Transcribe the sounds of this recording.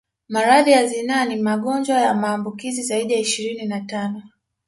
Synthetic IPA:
maɾaðijazinaːnimaɠɔnd͡ʒwajamaːmbukizizaiɗijaiʃiɾininatanɔ

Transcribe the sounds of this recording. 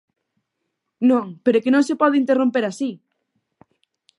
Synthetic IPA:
nõŋpeɾokenõŋsepɔðɪint̪erompeɾasi

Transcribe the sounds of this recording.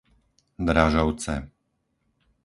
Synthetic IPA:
d̪ɾaʒɔʊt͡sɛ̰

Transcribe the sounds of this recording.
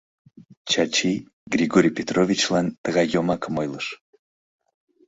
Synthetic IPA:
t͡ɕɑt͡ɕi | ɡrʲiɣoɾʲijpʲet̪rovʲit͡ɕlɑnt̪əɣɑjːomɑkəmojlˠəʃ

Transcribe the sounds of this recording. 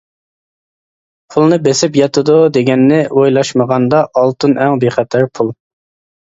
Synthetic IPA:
pʰulˠnɨbesɪpjɑt̪ʰɨd̪ud̪eɡʲɛnːɪʔojlˠɑʃməʁɑnd̪ɑʔːlˠt̪ʰɨnʔɛŋbeχɛt̪ʰæɾpʰulˠ

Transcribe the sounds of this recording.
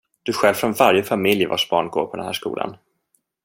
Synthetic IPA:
d̪̥ɵɧɛlvfɾɔnvaɾjəfamɪljva̰ʂbɑːɳɡo̰ːɾpʰɔd̪ɛnhæːʂkṵːlʔa̰n

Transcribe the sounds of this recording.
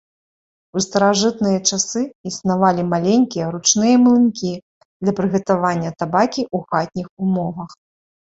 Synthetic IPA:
ust̪ɐɾaʐɨt̪nɨjɐt͡ʂasɨisnavalʲimalʲenʲkʲijɐɾut͡ʂnɨjɐmlˠɨnkʲi | d̪̥lʲɐpɾɨɣɐt̪avanʲːɐt̪abakʲiʔuɣat̪̚ʲnʲixumɔvɐx

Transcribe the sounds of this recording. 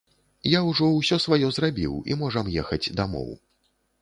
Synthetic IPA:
jawʐɔwsʲɔsvajɔzrabʲiwḭmɔʐɐmjɛxɐd͡zʲd̪amɔ̰w

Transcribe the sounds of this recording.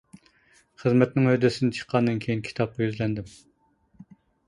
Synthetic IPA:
χəzmɛt̪nɪŋød̪ɪsɪnɪt͡ʃʰə̥qʰːɑnd̪ɨnkʲʰejinkʲʰi̥t̪ʰɑp̚qɑjyzlɛnd̪ɪm

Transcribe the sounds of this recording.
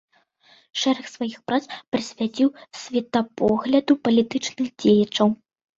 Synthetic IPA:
ʂɛɾɛxsvajixpɾat̪spɾɨsʲvʲat͡sʲiwsʲvʲɛt̪ɐpɔɣlʲɐd̪upɐlʲit̪ɨt͡ʂnɨxd͡zʲejɐt͡ʂɐw

